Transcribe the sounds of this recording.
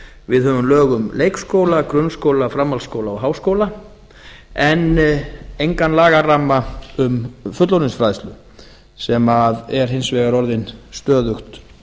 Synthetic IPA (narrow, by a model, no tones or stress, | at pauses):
vɪðhœːvʏmlœːɣʏmlejkskoːwlakɾʏnskowlafɾamːalskowlaɔɦaːwskoːwla | ɛn | ejŋkanlaːɣaramːaʏmfʏt̪lɔɾnɪnsfɾajst̪lʏ | sɛmaðɛɾ̥ɦɪnsvɛːɣaɾɔɾðɪnst̪œːðʏxt̪